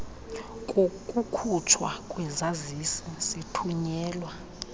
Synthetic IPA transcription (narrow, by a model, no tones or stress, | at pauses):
kʼkʼukʰut͡ʃʰwakʼwɛzazisisitʰuɲɛːlwa